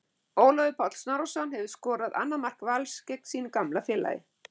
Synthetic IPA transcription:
oːwlɔvɪpʰɔt̪l̥snaɾosanːhɛvɪskɔːɾaða̰nːamar̥kvalscek̚nsiːnɪkamlafjɛːla̰jɪ̰

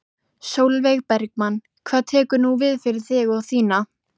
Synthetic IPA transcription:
sowlveɣpɛɾk̚manː | kʰv̥aːt̪ʰɛːkʏɾnuvɪðfɪɾɪɾ̥θɪɣawθiːna

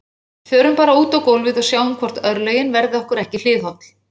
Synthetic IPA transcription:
θœːɾʏmpaːɾauːt̪awkoːwlvɪðasjaːwnʏmkʰvɔr̥t̪œɾlœɥjɪnvɛɾðɪɔhkʏɾɛhcɪl̥ɪːðhawt̪l̥

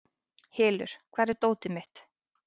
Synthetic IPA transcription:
heːlʏ̰ɾ̥kʰvaːɾɛɾt̪oːwt̪ɪmɪht̪

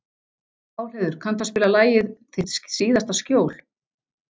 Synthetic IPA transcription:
aːwl̥ɛðʏɾ̥kʰant̪aspɪːlalaːjɪðt̪ʰɪsiːðast̪ascjoːwl̥

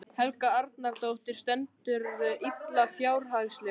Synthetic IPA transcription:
hɛlkaaɾt̪naɾt̪owht̪ɪɾ̥st̪ɛnt̪ʏɾit̪lafjaːwɾ̥ɦaɣslɪ

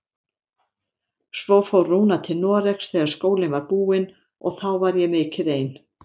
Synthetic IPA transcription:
svowfawrːuːnat̪ʰɪlnɔːrɛksθɛːɣaɾ̥skoːwlɪnvaɾpuːɪn | ɔ̰ɣθawvaɾjɛmɪcʰːɪðeːjn

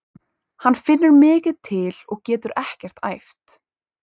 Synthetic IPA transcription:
hanːfɪnːʏɾmɪːcɪðt̪ʰɪlɔɣcɛːt̪ʏɾɛhcɛr̥t̪a̰jft̪

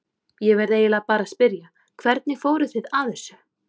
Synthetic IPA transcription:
jɛvɛɾðeːjɪlapaːɾaspɪɾja | kʰvɛɾt̪nɪfoːwɾʏθɪðaθɛsːʏ̥

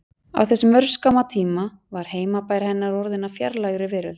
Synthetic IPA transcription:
a̰wθɛsːɪmœɾ̥skamat̪ʰiːma | vaɾ̥heːjmapaːjɾhɛnːaɾɔɾðɪnːafjɛɾlajɣɾɪvɪːɾɪl

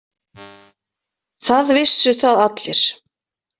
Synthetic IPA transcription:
θaðvɪsʏθaðat̪lɪɾ̥

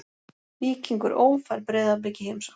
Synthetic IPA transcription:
liːciŋkʏɾʔoːwfajɾpɾɛːðap̬lecɪhejmsa

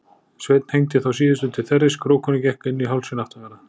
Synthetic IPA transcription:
svejt̪n̥hejɲt̪ɪθaws̬iːðɪst̪ʏt̪ʰɪlθɛrːɪskɾoːwkʰɔnʏcɛhkɪnːiɦawlsɪnaht̪amana

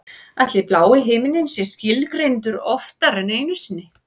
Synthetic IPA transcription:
at̪lɪplaːwɪɦɪːmɪnɪnsjɛscɪlkɾent̪ʏɾɔft̪aɾɛneːjnʏsɪnːɪ

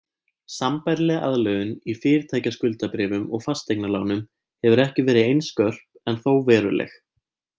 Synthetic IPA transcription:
sampajɾlɛɣʔa̰ðlœɣʏnifɪːɾɪt̪ʰaːjcaskʏlt̪apɾɪːvʏmɔɣfast̪ek̚nalaːwnʏm | hɛvʏɾɛhcɪvɛːɾɪejnskœr̥p̚ɛnθowvɛːɾʏlɛ̰x

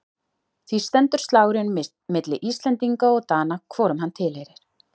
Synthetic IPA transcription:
θvist̪ɛnt̪ʏɾ̥st̪laːwɾɪn | mɪt̪lɪʔist̪lɛnt̪iŋkaɔɣt̪aːnakʰvɔːɾʏmɦanːt̪ʰɪlhejɾɪɾ̥

